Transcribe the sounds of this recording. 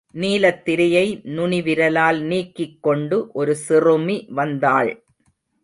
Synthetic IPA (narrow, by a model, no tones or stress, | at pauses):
niːlɐt̪ːɪɾɐjɐɪnʊɳɪʋɪɾɐlaːlniːkːɪkːɔɳɖɯʔɔɾɯsɪrɯmiʋɐnd̪aːɭ